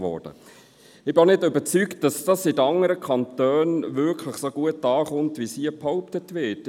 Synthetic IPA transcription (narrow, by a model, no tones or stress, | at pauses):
ʋɔ̰ːd̥ə̰ | ɪbɪonɪdøbət͡sykt̚d̥ɑsd̥ɑsitɑŋəɾəkʰɑntœːnʋʏkʰləχsoɡ̥uətɑːχʊntʋisiəphɑʊp̚tətʋɪt